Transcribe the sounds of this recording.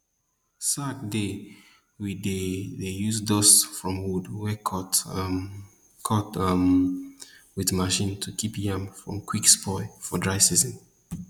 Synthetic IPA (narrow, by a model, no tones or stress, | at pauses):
satde | widedejuzdɔsfɹɔ̃mwudwɛkʰɔt | kʰɔtm | wiðmaʃĩntʰukʰipjãmfɹɔ̰̃mkʰwikspɔɪfɔdɹaɪsizə̃n